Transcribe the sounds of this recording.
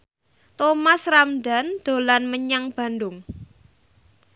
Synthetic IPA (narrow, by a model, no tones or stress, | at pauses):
t̪omasramda̤nd̪̥o̤lanməɲaŋb̥a̤ndʊŋ